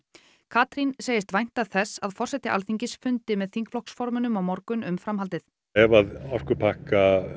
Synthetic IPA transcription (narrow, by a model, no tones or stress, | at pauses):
kʰaːt̪ɾinseːjɪst̪vajn̥t̪aðθɛsːaðfɔr̥sɛt̪ɪʔa̰lθiɲcɪsfʏnt̪ɪmɛðθiŋkflɔksfɔɾmʏnʏmawmɔɾkʏnʏmfɾamɦalt̪ɪθ | ɛvaðawr̥kʏpʰaka